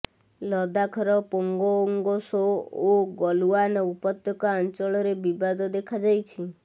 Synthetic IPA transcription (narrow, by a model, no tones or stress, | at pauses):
lɔd̪akʰɔɾɔpoŋɡooŋɡɔsooɡɔluanɔupɔt̪ːjɔkɔant͡ʃɔɭɔɾebibad̪ɔd̪ekʰad͡ʒajt͡ʃʰi